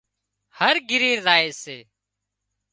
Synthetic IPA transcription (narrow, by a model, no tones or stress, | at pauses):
həɾɡɪɾiːɾzaːeːseː